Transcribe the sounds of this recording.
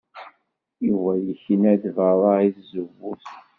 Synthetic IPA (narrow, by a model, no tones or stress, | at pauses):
iwæjəçənæd̪vəɾˤaiθzəvuθ